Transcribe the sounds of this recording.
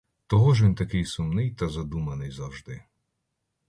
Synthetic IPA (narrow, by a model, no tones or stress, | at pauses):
t̪ɔɦɔʒʋʲint̪ɐkɪjsʊmnɪjt̪ɐzɐd̪umɐnɪjzɐwʒd̪ɪ